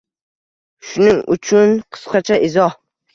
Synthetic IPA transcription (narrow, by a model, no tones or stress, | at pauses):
ʃʊnɪŋʊ̰t͡ʃʰʊnqʰɨ̥sqɑt͡ʃʰaʔɪzɒh